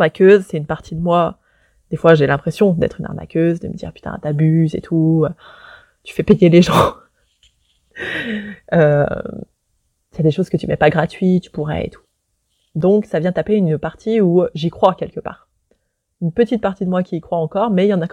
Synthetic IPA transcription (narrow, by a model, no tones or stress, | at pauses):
nakʰʲøzsɛt̪ynpaʁt̪ʰid̪əmwa | d̪̥efwaʒelɛ̃pχesjɔ̃d̪ɛ̰t̪χyna̰ʁna̰kʲøzd̪ə̰mə̰d̪ḭʁpy̥t̪ɛ̰̃t̪abyzḛt̪ʰuø | t̪y̥fɛpejeleʒɑ̃ | ø | jad̪eʃozkət̪ymɛpaɡʁat̪ɥit̪y̥puʁɛ̰ḛt̪ʰu̥ | d̪ɔ̃ksavjɛ̃d̪t̪apeynpaʁt̪ʰiuʒikχwakʲɛlkəpa̰ːʁ | ynpət̪it̪̚paʁt̪id̪əmwakʲiːkχwaɑ̃kɔʁmɛjɑ̃nak